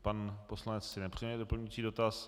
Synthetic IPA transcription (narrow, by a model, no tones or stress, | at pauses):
panposlanɛt͡ssɪnɛpr̝̥iɛɛdopl̩ɲut͡siːdo̞t̪as